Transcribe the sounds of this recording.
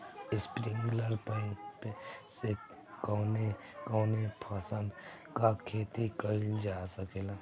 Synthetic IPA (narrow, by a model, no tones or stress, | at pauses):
ɪspɾɪ̃ŋɡləɾpəipese | kɔːne | kɔːnepʰasə̃nd̪ | kakʰeːt̪ikəd͡ʒaːsəkeːlaː